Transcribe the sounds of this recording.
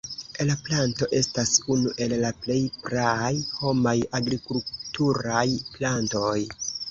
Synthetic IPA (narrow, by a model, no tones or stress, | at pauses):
laplanto̞ʔe̞stasunuʔe̞lːaple̞jpɾajho̞majaɡɾikultuɾajplanto̞j